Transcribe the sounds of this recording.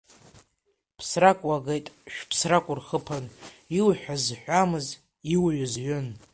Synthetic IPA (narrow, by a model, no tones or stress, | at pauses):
pʰsrakʷʼaɡejtʼʃᶣpʰsrakʷʼʊrχəpʰaniwħʷᶣazħᶣʷamɨz | iwɥʊzɥʏn